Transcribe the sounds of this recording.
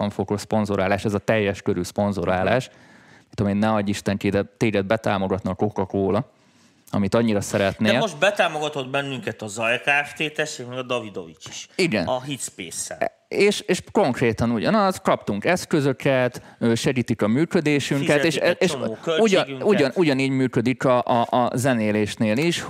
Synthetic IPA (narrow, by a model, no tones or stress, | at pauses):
ɒɱfo̞kospo̞nzoɾaːlaːʃɛzɒt̪ɛjːɛʃkøɾyspo̞nzoɾaːlaːʃ | mint̪ːomeːnnɛɒɟiʃt̪ɛŋkid̪ɛt̪ːeːɡɛd̪̚bɛt̪a̰ːmo̞ɡɒt̪nɒkokɒkoːlɒ | ɒ̰mit̪ɒɲːiɾɒsɛɾɛt̪neɛːoʒbɛt̪aːmoɡɒt̪o̞d̪bɛnːyŋkɛt̪ɒzɒjkaɛft̪eːt̪ɛʃikmɛɡɒd̪ɒvid̪ovit͡ʃi̥ʃiɡɛ̰nɒɦit̪speːsːɛ̰ | eːʃeːʃko̞ŋkreːt̪ɒnuɟɒnɒzkɒpt̪uŋkɛskø̞zø̞kɛt̪øːʃɛɡiːt̪ikɒmyːkød̪eːʃyŋkɛt̪eːʃʃɛːʃkøuɟ̪uɟɒnuɟɒniːɟmyːkø̞d̪ikɒʔɒʔzɛneːleːʃneːliʃ